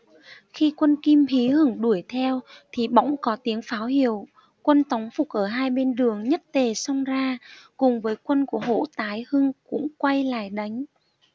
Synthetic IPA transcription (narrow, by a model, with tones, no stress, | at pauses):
xi˧kwə˧nki˧mhi˨˦hɨ˧˩ŋɗu˧˩əjt̪ʰɛ˧wt̪ʰi˨˩ɓa̰˧˥wŋ͡mkɔ˨˦t̪i˨˦əŋfaː˨˦whi˧˩˨əw | kwə˧nt̪ɔ˨˦wŋ͡mfʊ˨˩k̚ʔəː˧˩ɦaː˧jɓe˧nɗɨ˨˩əŋɲə˦˥t̚t̪e˨˩sɔ˧wŋ͡mzaː˧kʊ˨˩ŋ͡mvəː˨˦jkwə˧nku˧˩əɦo̰˧˨t̪aː˨˦jhɨ˧ŋkʊ̰˧˥ŋ͡mkwa˧jla̰ː˧˩˨jɗa˨˦jŋ̟